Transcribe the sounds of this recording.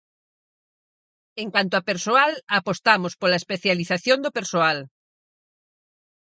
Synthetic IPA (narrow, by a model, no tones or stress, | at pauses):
eŋkwant̪̬oapeɾsoalapost̪amospolaespeθjaliθaθjond̪opeɾsoal